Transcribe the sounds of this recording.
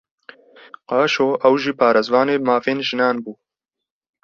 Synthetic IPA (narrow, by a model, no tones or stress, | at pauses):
qɑːʃoːʔɐwʒiːpʰaːɾezwɑːneːmaːfeːnʒɪnɑːnbuː